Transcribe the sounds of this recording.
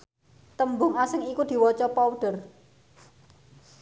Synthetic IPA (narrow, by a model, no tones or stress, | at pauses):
t̪əmbʊŋasɪŋikud̪̥i̤wɔt͡ʃɔpawɖ̥ə̤r